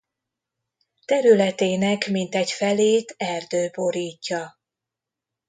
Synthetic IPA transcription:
t̪ɛɾylɛt̪eːnɛkmint̪ɛcfɛleːt̪ɛrd̪øːbo̞ɾiːcːɒ

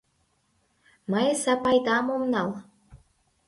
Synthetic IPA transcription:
mɑjəsæpɑjd̪ɑmomnɑl

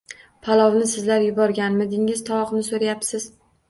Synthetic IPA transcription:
pʰalˠɒwnɪsɪzlaɾjʊbɒɾɡʲanmɪd̪ɪŋɪz̥t̪ʰɒwɒqnɪsoɾajapsɪz̥

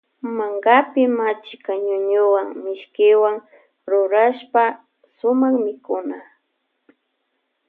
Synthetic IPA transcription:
maŋɡapɪmat͡ʃɪkaɲʊɲʊwaŋmɪʃkɪwaŋ | ɾʊɾaʃpa | sʊmaχmɪkʊna

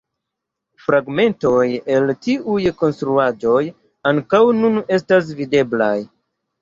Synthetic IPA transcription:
fɾaɡme̞nto̞je̞ltiʔujko̞nstɾuad͡ʒo̞j | aŋkawnune̞stas̬vide̞bla̰j

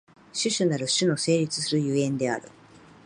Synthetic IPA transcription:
ɕɨɕɨnaɾɯ̟ɕɨno̞se̞ːɾʲit͡sɨ̥sɨɾɯ̟jɯ̟ːẽ̞nd̪e̞a̰ɾɯ̟

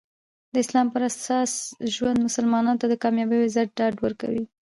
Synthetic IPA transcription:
d̪əɪslɑmpəɾasɑsʒwand̪mʊsəlmɑnɑnot̪ad̪əkɑmjɑbəjozaɖɑɖwəɾka̰wi

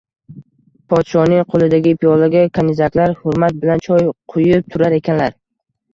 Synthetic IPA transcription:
pʰɒt̪ʃɒnɪŋqʰolˠɪd̪aɡʲɪpʰijɒlˠaɡʲakʰanɪzakʲlaɾhʊɾmat̪̚bɪlant͡ʃʰɒjqʰʊjɪp̚t̪ʰʊɾaɾe̞kʲʰanlaɾ

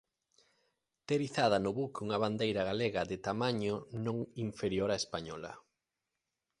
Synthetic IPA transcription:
t̪eɾiθað̞ɐnʊβukuŋɐβand̪ejɾɐɣaleɣɐðet̪amaɲonõŋiɱfeɾjoɾaespaɲɔlɐ̰

